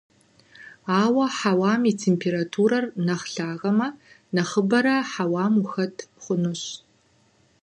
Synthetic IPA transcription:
aːwɐħawaːmitʰeːmpʰeːɾatʰuːɾɐrnɐχɬaːʁɐmɐ | nɐχəbɐɾɐħawaːmuxɐtʰχʷʊnɨɕ

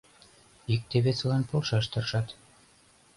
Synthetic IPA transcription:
ik̚t̪eβet͡slɑnpolʃɑʃt̪ɤ̆rʃɑt̪

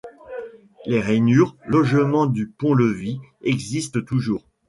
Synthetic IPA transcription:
leʁɛnyʁlɔʒmɑ̃d̪ypɔ̃ləviɛɡzist̪ət̪uʒuːʁ

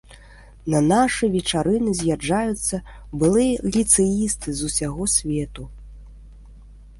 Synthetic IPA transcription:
nɐnaʂɨjvʲɛt͡ʂaɾɨnɨzʲjad͡ʐajut̪sːɐ | bɨlˠɨjɐlʲit̪sɛjist̪ɨzusʲaɣɔsʲvʲɛt̪u

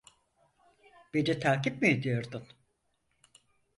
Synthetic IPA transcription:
b̥ed͡ʒ̪ɛt̪ʰaːkip̚mied̪ijoɾd̪un

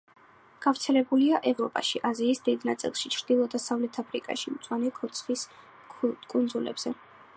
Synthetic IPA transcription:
ɡ̥avɾt̪sʰɛlɛbuliaʔɛvɾɔpʼa̰ʃiʔaziːsd̪id̪nat̪sʼḭlˠʃit͡ʃʰɾd̪̥ilˠɔd̪asavlɛt̪ʰapʰɾḭkʼa̰ʃimt̪sʼwanɛkʰɔt̪sʰχis | kʼunzulɛ̰bz̥ɛ

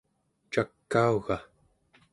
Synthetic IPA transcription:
t͡ʃakːauɣa

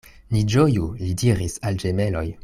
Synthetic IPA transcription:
nid͡ʒojulidiɾisald͡ʒeme̞lo̞j

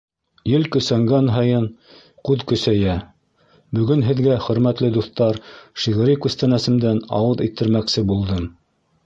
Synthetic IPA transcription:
jɘlkɵ̆sæŋɡænɦɤjɤn | qʉðkɵ̆sæjæ | bɵ̆ɡɵnɦɘ̆ðɡæχɵ̆ɾmæt̪lɘd̪uθt̪ɑɾʃiʁɘ̆ɾikʉst̪ænæsɘ̆md̪ænɑ̰wɤðit̪ːɘ̆ɾmæksɘbulˠd̪ɤm

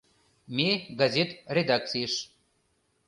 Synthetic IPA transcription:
mʲeɡazʲet̪rʲed̪ak̚t̪t͡sɨjeʃ

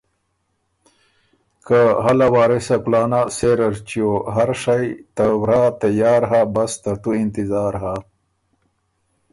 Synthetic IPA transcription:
kaɦalawaːɾesakulaːnaseɾɐɾt͡ɕioɦaɾʂajt̪awɾaːt̪ajaːɾɦabɐst̪ɐt̪uint̪izaːɾɦa

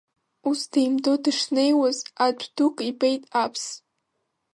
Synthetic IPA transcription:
usdejmdodɨʂne̞jwazad͡ʒʷʰʼd̥ukʼipʼejtʼapʰs

